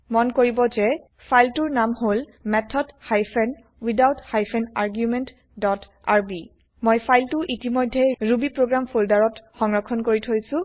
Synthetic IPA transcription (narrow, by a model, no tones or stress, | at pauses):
mɔnkoɹibɔzɛ | pʰajltuɹnamholmɛtʰɔdhajpʰɛn | widawthajpʰɛnaɹɡjumɛnt | dɔt | aɹbi | mojpʰajltʊʔitimɔjdʱːɛɹubipɹoɡɹampʰoldaɹɔtxɔŋɹɔkʰːɔnkoɹitʰojsʊ̃